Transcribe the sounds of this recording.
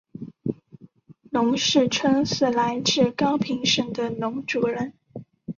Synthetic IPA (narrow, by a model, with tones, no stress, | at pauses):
nʊ˧˥ŋʂɻ̩˥˩ʈ͡ʂʰwə˥ŋsɹ̩˥˩la˧˥ɪʈ͡ʂɻ̩˥˩kɑ˥ʊpʰi˧˥ŋʂə˨˩ŋd̪ə˨nʊ˧˥ŋʈ͡ʂu˨˩ɻə˧˦n